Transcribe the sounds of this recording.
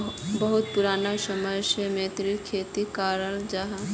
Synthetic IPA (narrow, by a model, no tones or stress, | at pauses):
bəɦʊt̪̚pʊɾaːnasəməjsemẽːt̪ɾikʰeːt̪ikaːɾəld͡ʒaɦa